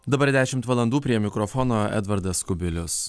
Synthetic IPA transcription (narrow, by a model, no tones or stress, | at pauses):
d̪ɐbɐɾd̪ʲæːʃʲɪmt̪ʋɐlˠɐnd̪uːpʲɾʲiɛmʲɪkɾɔfɔnoːɛ̰d̪ʋɐɾd̪ɐskʊbʲɪlʲʊs